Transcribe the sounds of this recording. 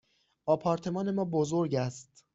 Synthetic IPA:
ʔɒːpʰɒːɾt̪ʰe̞mɒːne̞mɒːbozo̞ɾɟæst̪

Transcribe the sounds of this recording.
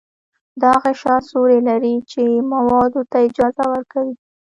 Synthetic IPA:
d̪əhaɣaʃɑsoɾelaɾit͡ʃemawɑd̪ot̪aɪd͡ʒɑzawəɾkawi

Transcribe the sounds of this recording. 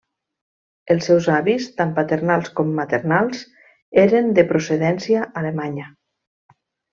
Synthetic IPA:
elˠsːɛwzaβist̪ampat̪eɾnalˠskɔmːat̪ernalˠz | eɾend̪epɾoseðɛnsiaʔalemaɲə

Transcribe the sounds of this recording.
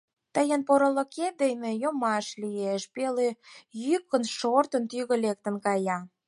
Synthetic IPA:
t̪əjənpoɾəlokʰed̪ejnejomɑʃlieʃpelejykːənʃort̪ə̆nt̪yɣə̆lek̚t̪ə̆nkɑjɑ

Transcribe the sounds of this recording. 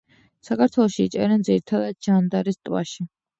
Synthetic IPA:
sakʰaɾt̪ʰwɛlˠɔʃiːt͡ʃʼɛɾɛnd̪ziɾit̪ʰad̪ad̪̚ʒand̪aɾist̪ʼwa̰ʃi

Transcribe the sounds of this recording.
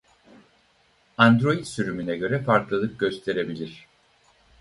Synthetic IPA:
and̪ɾo̞jit̪syɾymynɛɟø̞ɾɛfaɾklˠɯlˠɯp̚ɟø̞st̪ʰe̞ɾe̞bilʲiɾ̝̥

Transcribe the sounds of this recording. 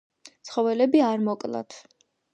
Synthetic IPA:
t̪sχɔvɛlɛbiaɾmɔkʼlˠa̰t̪ʰ

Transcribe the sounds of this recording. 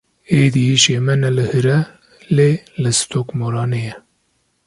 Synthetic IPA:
eːd̪ijiːʃemɛnɛlɨhɨɾɛ | leːlɨst̪ʰoːkmoɾɑːnejɛ

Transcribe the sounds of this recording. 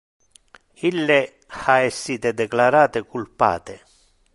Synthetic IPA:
ilːe | xaɛsːiːt̪ed̪ɛklaɾaːt̪ɪkulpa̰ːt̪e

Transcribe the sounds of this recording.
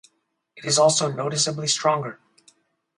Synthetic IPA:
ɨɾɨzɔlˠsoʊnoʊɾɨsəblistɹ̥ɔ̃ŋɡə˞

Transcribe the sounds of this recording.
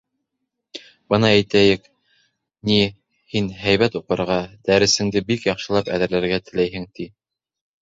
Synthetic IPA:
bɤnɑæjt̪æjɘk | ni | hinɦæjβæt̪uqɤ̆ɾʁɑd̪æɾɘ̆sɘ̆ŋd̪ɘbikjɑqʃɤ̆lˠɑpæ̰ðɘ̆ɾlæɾɡæt̪ɘ̆læjɦɘ̆ŋt̪i

